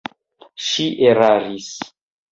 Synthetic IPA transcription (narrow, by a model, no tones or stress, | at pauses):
ʃiʔeɾaɾis